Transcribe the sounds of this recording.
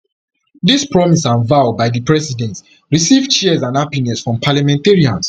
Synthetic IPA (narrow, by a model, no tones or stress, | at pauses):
dispɹɔmisãnvaʊbaɪdipɹɛsidɛ̃nt | ɹisivt͡ʃiɛzãnapinɛsfɹɔ̃mpʰalamɛ̃nteɹiãns